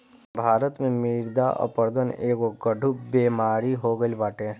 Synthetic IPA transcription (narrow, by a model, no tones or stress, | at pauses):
bʱaːɾət̪mẽmiɾd̪a̰ʔɔ̰pəɾd̪əneːkoɡəɖʱubeːmaːɾiɦoɡəibaːʈe